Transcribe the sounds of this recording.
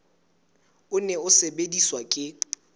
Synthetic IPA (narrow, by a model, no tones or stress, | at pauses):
ʊnɛʊsebediswakʼɪ